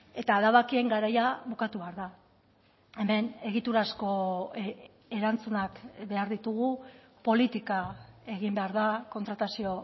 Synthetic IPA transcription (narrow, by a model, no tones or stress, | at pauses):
e̞t̪aːðaβakie̞ŋɡaɾajaβukat̪uβe̞aɾða | e̞me̞ne̞ɣ̞it̪uɾasko̞ | e̞ɾant͡sunakbe̞aɾðit̪uɣ̞u | po̞lit̪ikae̞ɣimbe̞aɾðako̞nt̪ɾat̪asio̞